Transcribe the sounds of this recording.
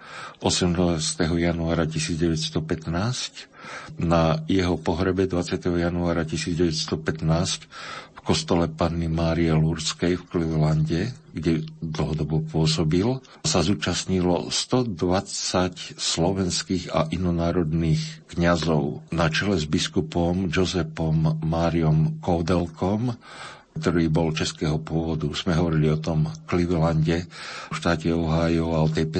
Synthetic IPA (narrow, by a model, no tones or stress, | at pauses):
ʔɔsɛmnaːst̪ɛɦɔjanuaːɾacisiːd͡zɟɛʋɛcst̪ɔpɛt̪naːscnajɛɦɔpɔɦɾɛbɛd̪ʋat͡sɪat̪ɛɦɔjanuaːɾacisiːd͡zɟɛʋɛcst̪ɔpɛt̪naːscfkɔst̪ɔlɛpanːimaːɾiɛluɾskɛjfklɛlaɲɟɛɡɟɛd̪l̩ɦɔd̪ɔbɔpʊɔsɔbil | sazuːt͡ʃasɲilɔ̰st̪ɔd̪ʋat͡sacslɔʋɛnskiːɣa̰ʔinɔnaːɾɔd̪niːxkɲazɔʊnat͡ʃɛlɛzbiskupɔmd͡ʒɔzɛpɔmːaːɾiɔmkɔːd̪ɛlkʰɔm | k̚t̪ɔɾiːbɔlt͡ʃɛskɛːɦɔpʊɔʋɔd̪uz̥mɛɦɔʋɔɾiliɔt̪ɔmkliʋɛlaɲɟɛfʃt̪aːcɛɔɦaːjɔʊaɔt̪ɛjpɛ